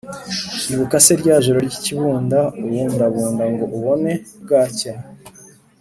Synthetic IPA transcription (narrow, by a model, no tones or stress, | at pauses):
iβukaseɾɟaːʒoɾo̞ɾɟiciβuːndaujeːndaβuːndaŋɡo̞ʔuβo̞ne̞bɡaːca